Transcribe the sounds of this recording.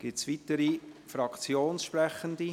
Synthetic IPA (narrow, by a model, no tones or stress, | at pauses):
ɡ̥ɪtsvitəɾifɾɑkt͡sjoːnsʃpɾɛχənd̪i